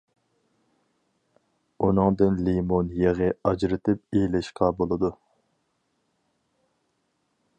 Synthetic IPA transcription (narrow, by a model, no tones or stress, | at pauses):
unɨŋd̪ɨnlimonjeʁəɑd͡ʒɾɪt̪ʰɪp̚elɪʃqɑbolˠɨd̪u